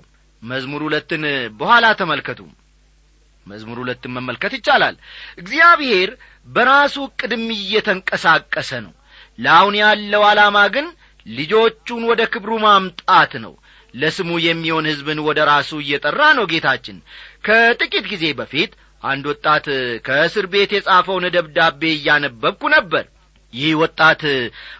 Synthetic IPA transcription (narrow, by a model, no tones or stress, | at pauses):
məzmuɾhulət̪ːɨnbəhʷalat̪ʰəməlkʰət̪ʰṵm | məzmuɾhulət̪ːɨnməmːəlkət̪jɪt͡ʃːala̰lʔɨɡzijaβhe̞ɾ | bəɾasukʼːɨd̪ɨmɨjːɛt̪ʰəŋkʼəsakʼːəsənə̰w | lawnjalːəwalamaɡɨn | lɨd͡ʒo̞t͡ʃːunwɔd̪əkɨβɾumamt̪ʼat̪nə̰w | ləsɨmujɛmːiho̞nhɨzbɨnwɔd̪əɾasuɨjːɛt̪ʼərːanəwɡe̞t̪ʰat͡ʃːɪnkʰət̪ʼɨkʼit̪̚ɡize̞bəfit̪ | ʔa̰nd̪wɔt̪ʼːat̪kʰəsɨɾbe̞t̪jɛsʼafəwnəd̪əβd̪abːe̞jːanəbːəbkːunəbːə̰ɾ | jɪhwɔt̪ʼːat̪